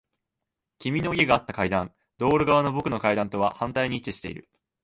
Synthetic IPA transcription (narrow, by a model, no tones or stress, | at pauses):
kʲimʲinoie̞ɡaːt̪ːakaid̪ãn | d̪̥o̞ːɾɯ̟ɡaβano̞bo̞kɯ̟no̞kaid̪ãnt̪o̞βahãnt̪aiɲ̟iːt͡ɕiɕi̥t̪eḭɾɯ̟̰